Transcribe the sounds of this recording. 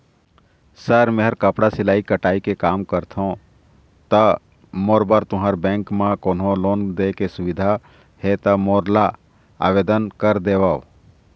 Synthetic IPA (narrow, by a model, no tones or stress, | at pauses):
səɾmeɦəɾkəpɽasɪlaːikəʈaːikekaːmkəɾt̪ʰõ | t̪ə | moːɾbəɾt̪ʊɦaːɾbɛ̃ːŋkmãkoːnɦõloːnd̪ekesʊʋɪd̪ʱa | het̪əmoːɾla | a̰ːʋeːd̪ənkəɾd̪eːʋaː